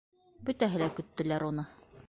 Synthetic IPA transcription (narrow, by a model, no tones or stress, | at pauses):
bɵt̪æɦɘ̆lækɵ̆t̪ːɘ̆læɾunɤ